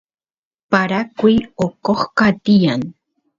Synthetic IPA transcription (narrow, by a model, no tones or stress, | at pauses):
paɾakʷuiokoχkat̪ijan